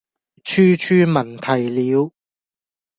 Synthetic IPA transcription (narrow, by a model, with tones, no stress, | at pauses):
t͡ʃʰyː˥t͡ʃʰyː˥mɐ˨˩nt̪ʰɐ˨˩jliː˨˧w